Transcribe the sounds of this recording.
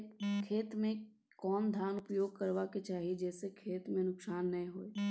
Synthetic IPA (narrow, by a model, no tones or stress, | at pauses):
kʰeːt̪mẽ | kɔːnd̪ʱjaːnʊpjoːɡ̚kəɾʋaket͡ʃaːɦied͡ʒɛːsekʰeːt̪mẽnʊksaːnːɐĩɦoeː